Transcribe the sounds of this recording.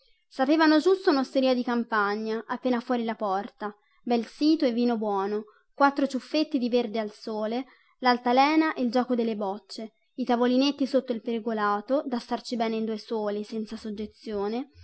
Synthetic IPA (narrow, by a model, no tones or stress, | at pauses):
sapeːvanod͡ʒust̪ounost̪eɾiːad̪ikampaɲːaʔapːeːnafwɔːɾilapɔrt̪a | bɛlsiːt̪oɛvːiːnobwɔːno | kwat̪ːɾot͡ʃufːet̪ːid̪iverd̪ealsoːle | lalt̪alɛːnaʔeld͡ʒɔːkod̪elːebɔt͡ʃːe | it̪avolinet̪ːisot̪ːoilpeɾiɡolaːt̪od̪ast̪art͡ʃibɛːneind̪uesoːlisɛnt̪sasod͡ʒːet̪sːjoːne